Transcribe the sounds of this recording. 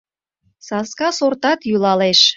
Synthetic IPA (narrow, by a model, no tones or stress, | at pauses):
sɑskɑsort̪ɑt̪julɑleʃ